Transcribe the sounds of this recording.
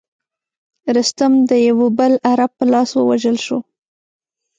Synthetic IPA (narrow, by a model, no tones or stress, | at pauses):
ɾɪst̪ʊmd̪əjawobəlaɾab̚pəlɑswəwaʒəlʃo̰